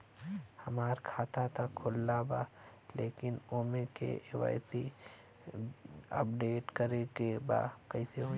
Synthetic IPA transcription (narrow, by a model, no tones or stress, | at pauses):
hɐmaːɾkʰaːt̪at̪ʰakʰoːlːabaːleːkɪnoːmẽkḛʔewa̰ːɪsi | ə̰p̚ɖeːʈkəɾekeba̰ːkəɪseɦo